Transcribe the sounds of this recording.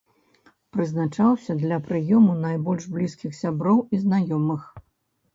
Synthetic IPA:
pɾɨznat͡ʂawsʲɐd̪lʲɐpɾɨjɔmunajbɔlʲʐblʲiskʲixsʲabɾɔwiznajɔmɨx

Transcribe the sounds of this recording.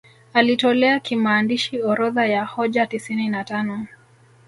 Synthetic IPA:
alitɔlɛakimaːndiʃiɔɾɔðajahɔʄatisininatanɔ

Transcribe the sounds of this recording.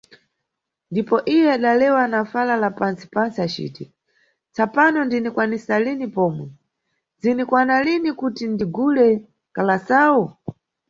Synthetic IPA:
ndipɔʔijɛaɗalɛwanafalalapant͡si̥pant͡siat͡ʃḭːti | t͡sapanɔndinikwanisalinipɔːmwɛ | zinikwanalinikutindiɡulɛ | kalasaːwu

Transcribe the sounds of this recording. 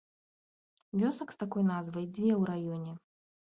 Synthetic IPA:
vʲɔsɐkst̪akɔjnazvɐjd͡zʲvʲɛwɾajɔnʲɛ

